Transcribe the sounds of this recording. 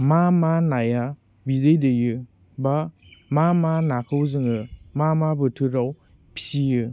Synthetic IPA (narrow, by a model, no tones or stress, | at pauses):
mamanaja | bidɯjdɯjɯ | ba | mamanakʰɯwzɯŋɯmamabɯtʰɯɾaw | pʰi̥sijɯ